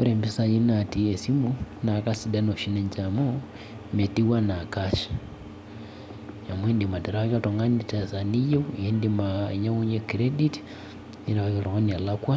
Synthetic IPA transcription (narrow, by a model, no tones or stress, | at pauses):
o̰ɾembisajinatiesimunakasidanoʃineɲt͡ʃamo | metiwanakaʃi̥ | jamwendimateɾaakatoŋɡanitesanijewuendimaɲawuɲekiɾediti̥ | inaβakaloɣonialakwa